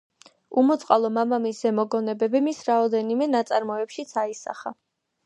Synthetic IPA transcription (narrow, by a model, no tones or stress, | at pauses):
umɔt̪sʼqʼalˠɔmamamisɛmɔɡɔnɛbɛbimisɾaɔd̪ɛnimɛnat̪sʼaɾmɔɛpʃit̪sʰaisa̰χa̰